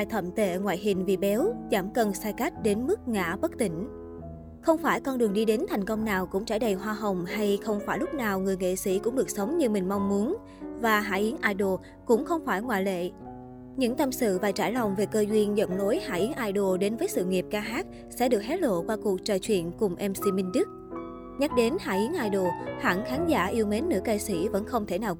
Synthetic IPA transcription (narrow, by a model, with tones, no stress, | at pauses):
a˧˨jt̪ʰə˧˩mt̪ḛ˧˩˨ŋwa̰ː˧˨jɦï˨˩ŋ̟vi˨˩ɓɛ˨˦wzaː˧˩mkə˨˩nsaː˧jka˦˥jk̟̚ɗe˨˦nmɨ˦˥k̚ŋa̰ː˧˥ɓə˦˥k̚t̪ï˧˩ŋ̟ | xə˧wŋ͡mfaː˧˩jkɔ˧nɗɨ˨˩əŋɗi˧ɗe˨˦nt̪ʰa˨˩jŋ̟kə˧wŋ͡mnaː˨˩wkʊ̰˧˥ŋ͡mt͡ɕa̰ː˧˩jɗə˨˩jɦwaː˧ɦə˨˩wŋ͡mha˧jxə˧wŋ͡mfaː˧˩jlʊ˦˥k͡p̚naː˨˩wŋɨ˨˩əjŋḛ˧˨sḭ˧˩kʊ̰˧˥ŋ͡mɗɨ˨˩ək̚sə˨˦wŋ͡mɲɨ˧mï˨˩ŋ̟ma˧wŋ͡mmu˨˦ən | vaː˨˩ɦa̰ː˧˥˩ʔi˨˦ənʔaː˧jɗo˨˩ | kʊ̰˧˥ŋ͡mxə˧wŋ͡mfaː˧˩jŋwa̰ː˧˨lḛ˧˨ | ɲɨ̰˧˥ŋt̪ə˧msɨ̰˧˨vaː˨˩t͡ɕa̰ː˧˩jla˨˩wŋ͡mve˨˩kəː˧zwi˧ənzə̰˧˩wŋ͡mno˨˦jha̰ː˧˩ʔi˨˦ənʔaː˧jɗo˨˩ɗe˨˦nvəː˨˦jsɨ̰˧˨ŋi˨˩p̚kaː˧ɦaː˦˥t̚ | sɛ̰˧˥ɗɨ˨˩k̚hɛ˦˥t̚ɗlo̰˧˨kwaː˧ku˨˩ək̚t͡ɕəː˧˩t͡ɕwḭ˧˨ənkʊ˨˩ŋ͡mʔɛ˧msi˧mï˧ŋ̟ɗɨ˦˥k̚ | ɲa˦˥k̚ɗe˨˦nha̰ː˧˩ʔi˨˦ənʔaː˧jɗo˨˩ha̰ː˧˩ŋxaː˨˦nza̰ː˧˩ʔi˧əwme˨˦nːɨ̰˧˥ka˧sḭ˧˩və̰˧˥nxə˧wŋ͡mt̪ʰe˧˩naː˨˩w